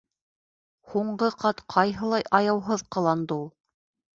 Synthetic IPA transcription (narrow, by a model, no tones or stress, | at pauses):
huɴɢɤqʰɑt̪qʰɑjɦɤ̆lˠɑjʔɑjɑwɦɤðqɤ̆lˠɑnd̪ɤulˠ